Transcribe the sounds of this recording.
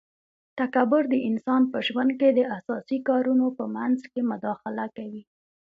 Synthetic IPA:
t̪akabʊɾd̪əʔɪnsɑnpəʒwand̪̚ked̪əʔasɑsikɑɾunopəmanzkemʊd̪ɑxɪlakawi

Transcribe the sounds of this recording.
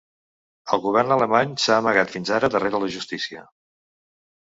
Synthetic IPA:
əlˠɣuβ̞ɛrnələmaɲsaəməɣat̪finzaɾəðəreɾələʒust̪isiə

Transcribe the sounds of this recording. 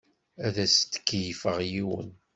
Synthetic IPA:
æðæst̪ːə̥kːjfəʁjiwə̰n

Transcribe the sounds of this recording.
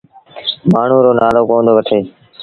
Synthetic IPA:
maːɳ̤ũːɾoːnaːloːkõːnd̪oːʋəʈʰeː

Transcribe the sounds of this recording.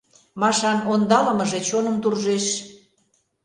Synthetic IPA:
mɑʃɑnond̪ɑlə̆mɤ̆ʒet͡ɕonə̆mt̪urʒeʃ

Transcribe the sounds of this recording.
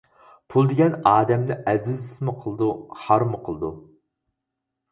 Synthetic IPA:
pʰulˠd̪ɪɡʲɛnɑːd̪ɛmd̪ɪʔɛzɪzɪsmʊqʰəlˠɨd̪uhɑɾmʊqʰəlˠɨd̪u

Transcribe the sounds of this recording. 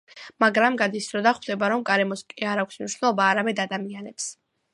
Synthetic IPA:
maɡɾamɡad̪isɾɔd̪aχwd̪ɛbaɾɔmɡaɾɛmɔskʼiaɾakʷʰsmniʃwnɛlˠɔbaːɾamɛd̪ad̪amianɛps

